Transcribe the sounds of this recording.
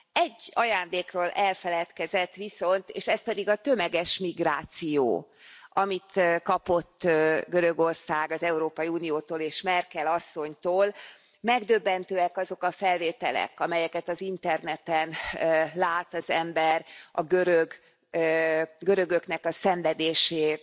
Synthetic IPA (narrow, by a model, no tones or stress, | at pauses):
ɛɟːɒjaːnd̪eːkroːlʔɛlfɛlɛt̪kɛzɛt̪ːʋiso̞nt̪eːʃɛspɛd̪iɡɒt̪ø̞mɛɡɛʃmiɡraːt̪sijo̰ː | ʔɒmit̪kɒpo̞t̪ːɡø̞ɾø̞ɡo̞rsaːɡɒzɛuɾoːpɒjiuːnijoːt̪oːleːʃmɛrkɛlɒsːo̞ɲt̪oːl | mɛɡd̪øbːɛnt̪øːɛkɒzo̞kɒfɛlveːt̪ɛlɛ̰kɒmɛjɛkɛt̪ɒzint̪ɛrnɛt̪ɛnlaːt̪ɒzɛmbɛrʔɒɡøɾøɡ | ɡøɾøɡø̞knɛkɒsɛɱvɛd̪eːʃeː